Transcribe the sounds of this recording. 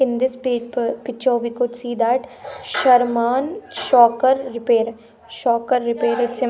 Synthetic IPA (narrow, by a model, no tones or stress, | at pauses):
ɪnd̪ɪspipɪt͡ʃʰoːbʱikʊt͡ʃsiːd̪aːʈʃɐɾmaːnʃɔːkəɾːɪpeːɾ | ʃɔːkəɾːɪpeːɾɪse